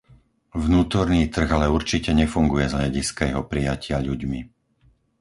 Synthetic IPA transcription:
vnuːt̪ɔɾniːt̪r̩ɣalɛuɾt͡ʃicɛɲɛfuŋɡujɛzɦʎaɟiskajɛɦɔpɾijacɪaʎuɟmi

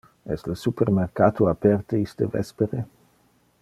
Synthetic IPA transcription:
ɛsləsupermerkaːt̪oapɛrt̪əist̪evɛ̰speɾe

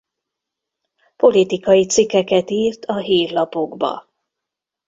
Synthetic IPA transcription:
po̞lit̪ikɒjit̪sikːɛkɛt̪iːrt̪ʰɒɦiːrlɒpo̞ɡbɒ̰

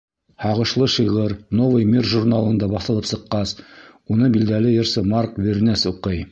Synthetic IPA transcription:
hɑʁɤ̆ʃlˠɤʃiʁɤɾnovəjmʲirʒurnalˠɤ̆nd̪ɑbɑθɤ̆lˠɤpsɤ̆qːɑs | unɤbild̪ælɘjɤ̆ɾsɤmɑɾkveɾnæsuqɤj

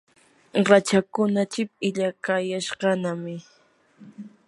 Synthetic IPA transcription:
ɾat͡ʃakʊnat͡ʃɪpɪʎakajaʃqɑnamɪ

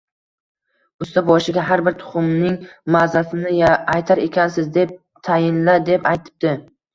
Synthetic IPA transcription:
ʊst̪ʰabɒʃɪɡʲaɦaɾbɪɾt̪ʰʊ̥χʊmnɪŋmazasɪnɪjajt̪ʰaɾe̞kʲʰansɪzd̪e̞p̚ | t̪ʰajɪnlad̪e̞pajt̪ʰɪ̥p̚d̪̥ɪ

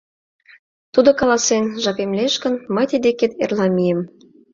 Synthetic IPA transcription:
t̪ud̪ŏkɑlɑsenʒɑpemleʃkə̆nməjt̪id̪eket̪ḛrlɑmijem

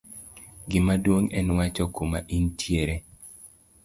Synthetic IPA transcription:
ɡɪmadwoŋɛnwat͡ʃɔkoma̰ʔintjeɾe

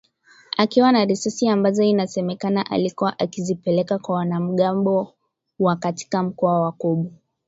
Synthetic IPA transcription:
akiwanaɾisasiambazɔinasɛmɛkanaʔa̰likuwaʔakizipɛlɛkakwawanam̩ɠambɔ | wakati̥kam̩kɔawakɔɓu

